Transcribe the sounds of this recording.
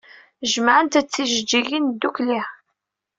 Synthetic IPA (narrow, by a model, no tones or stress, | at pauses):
ʒəmaʕənt̪æt͡sːiʒəd͡ʒːiɣind̪ːukli